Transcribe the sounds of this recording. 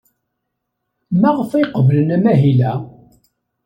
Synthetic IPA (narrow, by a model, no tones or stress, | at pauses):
mæʁfiqəvlənæmæɦilæ